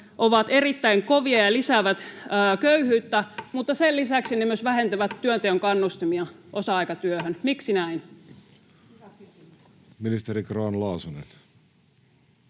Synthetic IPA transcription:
ʔoʋɑt̪erit̪ːæiŋkoʋiɑjɑlisæʋæt̪əːkøyhyːt̪ːæmut̪ːɑsellisæksinemyøsʋæhent̪æʋæt̪tːyønt̪eøŋkɑnːust̪imiɑʔosɑɑikɑt̪yøhønmiksinæin | minist̪eɾikroɑnlɑːsunḛn

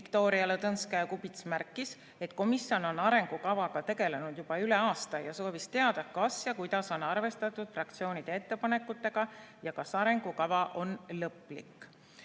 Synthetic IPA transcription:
vikt̪o̞ːɾiɑlet̪ɤnskæjkubit̪smærkˑːis | e̞t̪ˑko̞misjo̞no̞nɑɾe̞ŋɡ̥ukɑvɑɡ̥ɑt̪e̞ɡ̥e̞le̞nud̪̥jub̥ɑyle̞ɑːst̪ɑjɑso̞ːvist̪e̞ɑd̪̥ɑkɑsjɑkujd̪̥ɑso̞nɑrve̞st̪ɑt̪ːˑud̪̥frɑk̚t̪sio̞ːnid̪ee̞t̪ːe̞pɑne̞kːˑut̪ːˑe̞ɡ̥ɑjɑkɑsɑɾe̞ŋɡ̥ukɑvɑʔo̞nlɤpːˑlḭkːˑ

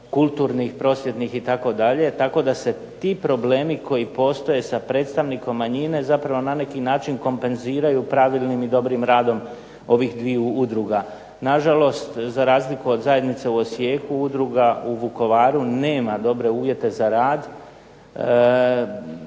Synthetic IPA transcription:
kulˠt̪uːɾnixpɾo̞ːsje̞t̪nixit̪ako̞d̪aʎe̞t̪ako̞d̪ase̞ | t̪ipɾo̞ble̞ːmiko̞jipo̞ːst̪o̞je̞sapɾe̞ːt̪st̪aʋniko̞mːaɲine̞zapɾaʋo̞nane̞kinaːt͡ʃinko̞mpe̞nziːɾajupɾaʋilˠnimid̪o̞bɾimɾaːd̪o̞m | o̞ʋixd̪ʋiuud̪ɾuɡa | naʒalo̞st̪zaɾaːzlikuo̞d̪zaje̞d̪nit̪seuo̞sje̞ːkuud̪ɾuɡauʋuko̞ʋaːɾune̞ːmad̪o̞bɾe̞uːʋje̞t̪e̞zaɾaːd̪

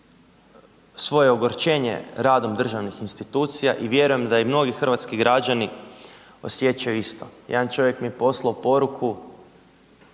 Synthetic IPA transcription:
sʋo̞je̞oɡoɾt͡ʃe̞ːɲḛɾaːd̪omd̪r̩ʒaʋnixinst̪it̪uːt̪sija̰ʔiʋje̞ɾuje̞md̪aimno̞ɡixr̩ʋat̪skiɡɾad͡ʑani | o̞̰sje̞t͡ɕajuist̪o̞̰jed̪ant͡ʃo̞ʋje̞kmiepo̞slˠaupo̞ɾukʰu

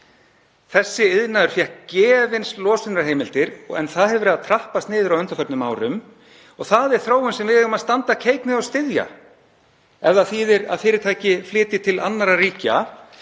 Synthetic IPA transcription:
θɛsːɪɪðnaʏɾ̥fjɛhcɛːvɪnslɔːsɪnɾaɾɦeːjmɪl̥t̪ɪɾɔɣɛ̰nθaðhɛvʏɾɛːðat̪ʰɾahpast̪nɪːðɪɾawʏnt̪ḁfœp̪nʏmːaːwɾʏm | ɔɣθaðɛɾ̥θɾoːwʏnsɛmvɪðhɛʏmaðst̪ant̪acʰeːjknɪɔɣst̪ɪðja̰ | ɛvðaθiːðɪɾa̰ðfɪːɾɪɾt̪ʰaːjcɪflɪːt̪ɪt̪ʰɪla̰nːaɾariːca̰

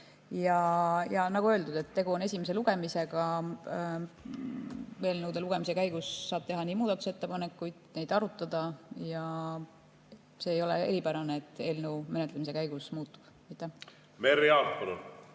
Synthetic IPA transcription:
jɑjɑnɑɡuøːld̪ud̪̥e̞t̪ːe̞ɡ̥uo̞ne̞s̬ʲimese̞luɡ̥e̞mise̞ɡ̥ɑ | ve̞ːlnuwd̪eluɡ̥e̞mise̞kæjɡ̥ussɑːb̥̚t̪e̞ɦɑnʲiːmuːd̪ɑt̪u̥set̪ːe̞pɑne̞kːˑujd̪̥ne̞jd̪̥ɑɾut̪ːˑɑd̪̥ɑjɑ | se̞ːjo̞leeɾipæɾɑneet̪ːˑe̞ːlnewme̞net̪ˑlemise̞kæjɡ̥usmuːt̪ˑːu̥b̥ | ɑjt̪ːˑæh | meɾiɑːpɑlun

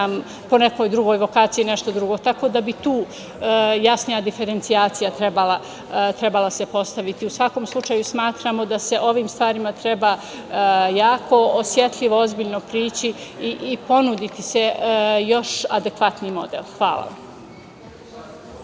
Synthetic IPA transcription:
am | po̞neko̞jd̪ɾuɡo̞ːjʋo̞kaːt̪sijineʃt̪od̪ɾuɡo̞t̪ako̞ːd̪abit̪uː | jasnijad̪ife̞ɾe̞nt̪sijaːt̪sijat̪ɾebalˠa | t̪ɾe̞balasepo̞st̪aʋit̪iusʋako̞mslˠut͡ʃaːjusmaːt̪ɾaːmo̞d̪ase̞ʔo̞ʋiːmst̪ʋaːɾimat̪ɾebaː | jaːkʰo̞osje̞t̪ʎʲiʋo̞o̞zbiʎno̞pɾiːt͡ɕiiʔːpo̞nud̪it̪ise̞jo̞ʃad̪ekʋat̪nimo̞̰d̪ḛlxʋa̰ːla̰ʋ̰a̰m

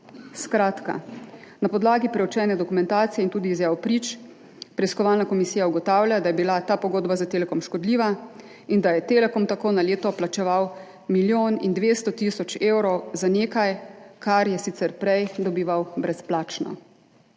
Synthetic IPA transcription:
skɾaːt̪ka̰napɔd̪laːɡipɾɛwt͡ʃɛːnɛd̪ɔkumɛ̃nt̪aːt̪sijɛint̪uːd̪iːzjaːwpɾiːt͡ʃ | pɾɛiskɔʋalnakɔmisijauɡɔt̪aːwlʲjad̪ajɛbilat̪aːpɔɡoːd̪bazat̪elɛkɔmʃkɔd̪liːʋa | ind̪ajɛt̪elɛkɔmt̪akoːnaleːt̪ɔplat͡ʃɛʋaw | miljoːnind̪ʋeːst̪ɔt̪iːsɔt͡ʃeːwɾɔwzaneːkajkaɾjɛsit̪sɛɾpɾɛjd̪ɔbiːʋawbɾɛsplaːt͡ʃnɔ̰

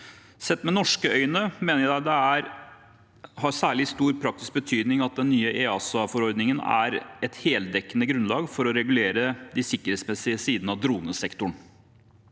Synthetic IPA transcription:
sɛt̪ːmɛnɔʂkəœʏnəmeːnəɾjd̪æɪd̪ɛæɾ | hɑɾsæːɭɪst̪uːɾpʰɾɑk̚t̪ɪsk̚bət̪ʰyːd̪nɪŋɑt̪̚d̪ɛnːyːəʔeːɑːsɑfɔɾɔɾd̪nɪŋənæ̰ɾɛt̪heːld̪ɛkːənəɡɾʉnlɑːɡfɔɾɔɾɛɡʉleːɾəd̪ɪsɪkːəɾheːt̪smɛsɪəsiːd̪n̩ɑʋd̪ɾuːnəsɛkt̪ʊɳ

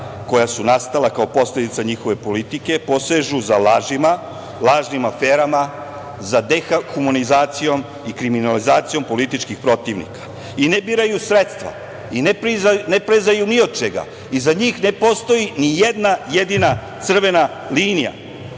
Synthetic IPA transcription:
ko̞jasunast̪alakao̞po̞sle̞d̪it̪saɲixo̞ʋe̞po̞lit̪ike̞po̞seʒuzalaːʒima | lˠaːʒnimafe̞ːɾama | zad̪exaxumonizaːt̪sijo̞m | ikɾiminalizaːt̪sijo̞mpo̞lit̪it͡ʃkixpɾo̞t̪iʋnḭkḁ | inebiːɾajusɾet̪st̪ʋa̰ | inepɾinepɾezajuniod̪̚t͡ʃeɡa̰ | izaɲiːxne̞po̞st̪o̞jinijed̪najed̪inat̪sr̩ʋe̞na | liːnija̰

